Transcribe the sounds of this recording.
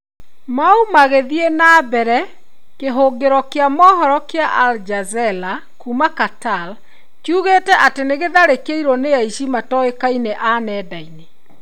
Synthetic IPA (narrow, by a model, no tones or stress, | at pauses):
maumaɣeðienaːbɛɾɛ | keɦoɡeɾɔkeamɔːɦɔɾɔkeaʔald͡ʒazɛla | kumakatal | kjuɣeːtɛʔateneɣeðaɾekeiɾɔneaiʃimatɔekaineʔanɛːdaine